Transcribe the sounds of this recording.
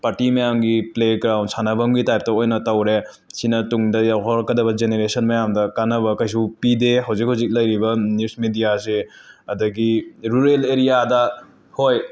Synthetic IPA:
paɾtimɐjamɡipleɡɾawnsanɐbɐmɡitajp̚tɐojnɐtɐwɾe | sinɐtuŋdɐjawkʰɔɾkɐdɐbɐd͡ʒeneɾesɐnmɐjamdɐkanɐβɐkɐjs̬upideɦɐwzik̚hɐwzik̚lɐjɾibɐnjusmidijaseɐdɐɡiɾuɾeleɾijadɐ | hoj

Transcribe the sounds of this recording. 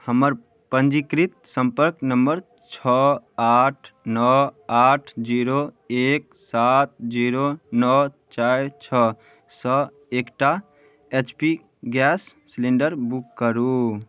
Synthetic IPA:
həməɾ | pənd͡ʒikɾit̪̚sə̃mpəɾknəmbəɾ | t͡ʃʰɔaʈʰnɔaʈʰd͡ʒiɾo | ek̚ | sat̪̚d͡ʒiɾonɔt͡ʃat͡ʃʰɔ | sɔ | ekʈa | et͡ʃpi | ɡɛsːleɳɖəɾbukːəɾu

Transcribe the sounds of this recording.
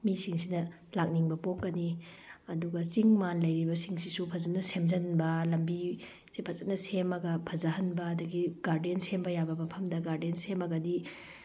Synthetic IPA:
misiŋsinɐ | lak̚niŋbɐpop̚kɐni | ɐduɡɐsiŋmanlɐjɾibɐsiŋsisupʰɐzɐt̚nɐsemzɐnbɐlɐmbi | sepʰɐt͡ʃɐt̚nɐsemɐɡɐpʰɐzɐhɐnbɐːdɐɡiɡ̥aɾdensembɐjabɐmɐpʰɐmdɐɡaɾdensemɐɡɐdi

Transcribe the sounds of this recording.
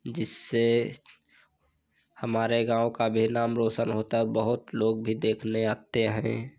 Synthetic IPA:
d͡ʒɪsːe | həmaːɾeɡãːõkabʱinaːmɾoːʃənɦoːt̪abəɦʊt̪loːɡ̚bʱid̪eːkʰneaːt̪eɦɛ̰̃

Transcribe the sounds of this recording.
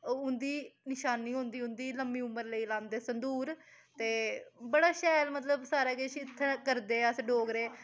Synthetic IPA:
ʊnd̪iːnɪʃaːnːiːɦʊ̃nd̪iːʊ̃nd̪iːləmːiːʊmːəɾləiːlaːnd̪eːsənd̪uːɾ | t̪eːbəɽaːʃɛːlmət̪ləbsaːɾaːkeʃiɪt̪ʰːẽːkəɾd̪eːəsɖoːɡɾeː

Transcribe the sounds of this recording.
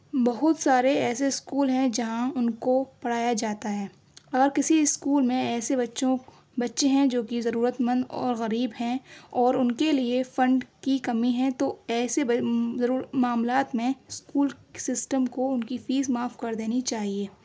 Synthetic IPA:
bɐɦʊt̪saːɾeɛːseɪskuːlɦɛ̃d͡ʒɐɦãʊnkopɐɽ̤aːjad͡ʒaːt̪aɦɛː | ɐɡəɾkɪsiɪskuːlmẽɛːsebɐtːʃõ | bɐtːʃeɦɛ̃d͡ʒoːkizɐɾuːɾət̪mə̃nd̪ɔ̰ːɾɣɐɾiːbɦɛ̃ɔːɾʊnkeliefɐ̃ɳɖkikɐmiɦɛ̃t̪oɛːseɐɾuːɾəmaːmlaːt̪mẽskuːlsɪsʈəmkoʊnkifiːzmaːfkɐɾd̪eːnit͡ʃaːɦieː

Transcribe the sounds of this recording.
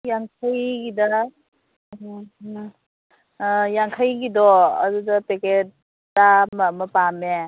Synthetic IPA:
jaŋkʰajɡida | ɦ | jaŋkʰajɡidɔɐ̰dudɐpeket̚ː | amaməpame

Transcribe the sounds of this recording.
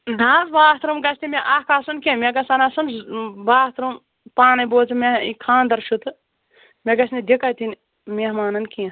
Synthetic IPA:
d̪ʱaːsbaːɦt̪ɾumɡɐsʲt̪imʲeʔɐhkaːsunkẽmʲeɡɐsɐnasunbaːht̪ɾum | paːnɐboːt͡sɨmeikʰãːnd̪ɐɾʃut̪ɨ | mʲeɡɐsʲnid̪ikat̪in | mʲehmaːnɐnkĩ

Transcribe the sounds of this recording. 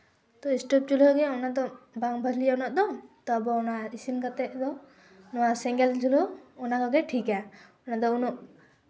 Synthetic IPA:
t̪ɔisʈɔp̚t͡ʃulɔɡɛunad̪ɔbaŋbʱad̪lianɔʔ̚d̪ɔt̪ɔabɔunaisinkat̪ɛʔd̪ɔ | nɔwasɛŋɡɛlt͡ʃulɔːnakɔɡɛʈʰikaunad̪ɔunuʔ

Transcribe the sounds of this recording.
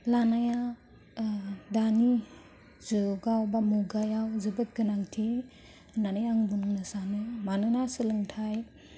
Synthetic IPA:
lanaja | dani | zɯɡawbamuɡajawzɯbɯt̚ɡɯnaŋtʰi | nanɯjaŋbunɯŋnɯsanɯmanɯnasɯlɯŋtʰaj

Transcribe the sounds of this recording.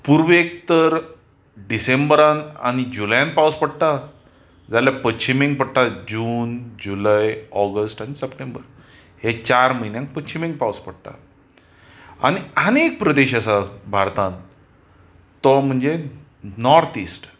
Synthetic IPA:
puɾʋek̚t̪əɾ | ɖisembəɾana̰ɽ̃id͡ʑuljãnpawspəɽʈ̪a | d͡zaljapət͡ɕimĩŋɡ̚pəɽʈ̪ad͡ʑuːnd͡ʑulajɔɡəsʈañisəpʈembəɾ | het͡ɕaɾməinjãŋk̚pət͡ɕimĩŋɡpawspəɽʈ̪a̰ | a̰ñiənek̚pɾəd̪eɕasabʱaɾt̪ãn | t̪ɔm̤əɳd͡ze | nɔɾt̪isʈ

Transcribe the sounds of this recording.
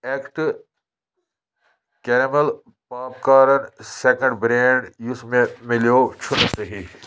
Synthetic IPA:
eːkʈ | keɾmel | paːp̚kaːɾɐnseːkə̃ɳɖbɾẽːɳɖjʊsmẽmɪljoːt͡ʃʰʊnsɐɦi

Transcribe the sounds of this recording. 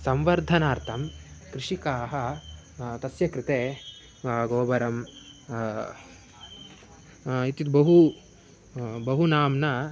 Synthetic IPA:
sɐmʋɐɾd̪ʱɐnaːɾt̪ʰɐmkɾɪʂikaːɦɐ | t̪ɐsjɐkɾɪt̪eː | ɡoːbɐɾɐm | it̪it̪bɐɦu | bɐɦunaːmnɐ

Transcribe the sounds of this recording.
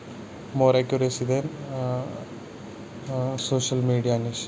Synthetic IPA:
moːɾekːoɾesid̪en | soːɕɐlmiːɽiɐːnes

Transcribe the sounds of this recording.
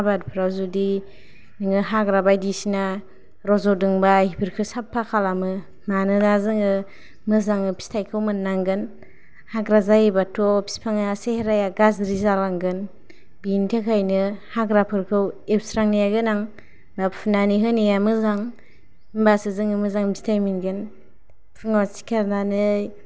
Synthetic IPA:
abadpʰɾawzudi | nɯŋɯɦaɡɾabajdisina | ɾɔzɔdɯŋbahipʰɯɾkʰɯsapʰːakʰalamɯ | manɯnazɯŋɯ | mɯzaŋɯpʰi̥stʰajkʰɯwmɯnːaŋɡɯn | haɡɾazajebatʰɔpʰi̥spʰaŋaseheɾajaɡazɾizalaŋɡɯn | bintʰekʰajnɯhaɡɾapʰɯɾkʰɯwewsɾaŋnijaɡɯnaŋ | bappʰunaniɦɯnijamɯzaŋ | mbasɯzɯŋɯmɯzaŋbistʰajminɡɯn | pʰɯŋasi̥kʰaɾnanɯj

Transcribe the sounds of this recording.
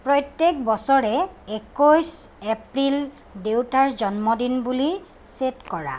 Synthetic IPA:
pɹɔjtːek̚bɔsɔɹɛekɔjsepɹil | dewtaɹzɔnmɔdinbuli | setkɔɹa̰

